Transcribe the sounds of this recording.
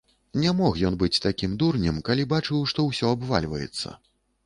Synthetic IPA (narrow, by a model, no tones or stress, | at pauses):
nʲamɔxjɔnbɨt͡sʲt̪akʲimd̪urnʲɨmkalʲibat͡ʂɨwʂt̪ɔwsʲɔabva̰lʲvɐ̰jɛ̰t̪sːɐ̰